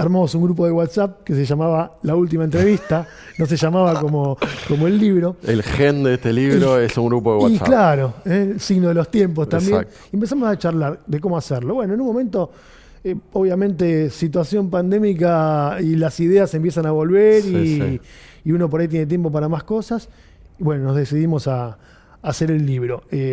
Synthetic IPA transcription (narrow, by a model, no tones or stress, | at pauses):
aɾmamosuŋɡɾup̬oðeɣwat̪sap̚kes̬eʒamaβalault̪̬imaent̪ɾeβist̪a | no̞s̬eʒamaβakomoko̞moelːiβɾo̞ḛlxend̪eest̪eliβɾoesuŋɡɾupoðewa̰klaɾo̞esiɣnoðelo̞st̪je̞mp̬ost̪ambjenk | empe̞s̬amosat͡ʃarlaɾd̪ek̬omoaseɾloβwe̞noenunmome̞nt̪o̞ | eoβjamẽ̞nt̪esit̪wasjo̞mpand̪e̞mikailasiðease̞mpjes̬anaβo̞lβeɾiː | uno̞p̬o̞ɾajt̪jene̞t̪̬je̞mp̬o̞p̬aɾamasko̞sas | iβwe̞nonozðesiðimo̞saː | seɾelːiβɾo̞e